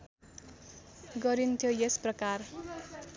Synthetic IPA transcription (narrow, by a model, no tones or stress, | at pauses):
ɡʌɾint̪ʰjojesprʌkar